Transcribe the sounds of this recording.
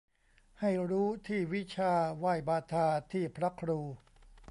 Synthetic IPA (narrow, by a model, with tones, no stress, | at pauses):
ha˥˩jɾuː˦˥t̪ʰiː˥˩wi˦˥t͡ɕʰaː˧waː˧˩jbaː˧t̪ʰaː˧t̪ʰiː˥˩pʰɾa˦˥kʰɾuː˧